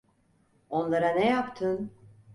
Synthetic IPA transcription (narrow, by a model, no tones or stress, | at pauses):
o̞nlˠaɾanɛjapt̪ʰɯn